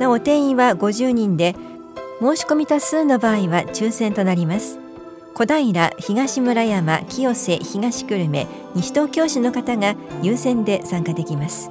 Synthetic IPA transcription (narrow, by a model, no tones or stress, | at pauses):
noot̪ẽ̞ɰ̃ĩβaɡo̞ʑɨːɲ̟ĩnd̪e̞ | mo̞ːɕi̥ko̞mʲit̪asɨːno̞baːiβat͡ɕɨːsẽ̞nt̪o̞naɾʲimasɨ̥ | ko̞d̪aiɾaçiɡaɕimɯ̟ɾajama̰kʲijo̞se̞çiɡaɕi̥kɯ̟ɾɯ̟me̞̰ | ɲ̟iɕi̥t̪oːkʲo̞ːɕino̞kat̪aŋajɯːsẽ̞nd̪e̞sãŋkad̪e̞kʲimasɨ̥